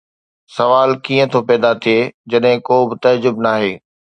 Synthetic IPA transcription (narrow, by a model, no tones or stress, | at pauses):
sɐʋaːlkiːə̃t̪ʰopɛːd̪at̪ʰieːd͡ʑɐɗɦɪ̃koːbɪt̪ɐd͡ʑʊbnaːɦeː